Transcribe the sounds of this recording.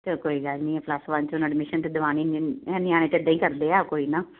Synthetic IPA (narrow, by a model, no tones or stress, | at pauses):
t̪ekoːiːɡalnĩːɛːpʰlasʋãnt͡ʃonãɖmɪʃənt̪ed̪ʋaːniːnɛːnɪjãːñeːt̪ed̪ãːĩːkəɾd̪eːɛːkoːiːnãː